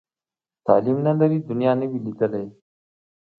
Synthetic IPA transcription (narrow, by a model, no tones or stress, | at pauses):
t̪aːliːmnələɾiːd̪ʊnijaːneːbilɪkəlɦeː